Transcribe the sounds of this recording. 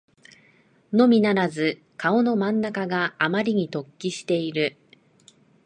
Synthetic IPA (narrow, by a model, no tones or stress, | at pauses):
no̞mʲinaɾazɨ | kao̞no̞mãnːakaɡaːmaɾʲiɲ̟it̪o̞kʲːiɕi̥t̪e̞iɾɯ̟